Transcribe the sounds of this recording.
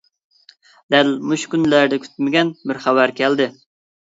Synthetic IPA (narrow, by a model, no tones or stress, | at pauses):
d̪ælmuʃkʲynlæɾd̪ɛkʲʰy̥t̪mɪɡʲɛnbɪɾχævæɾkʲʰɛld̪ɪ